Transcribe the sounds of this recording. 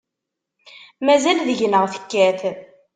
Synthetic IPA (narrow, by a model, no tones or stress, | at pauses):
mæzælðəʝnəʁθə̥kːæθ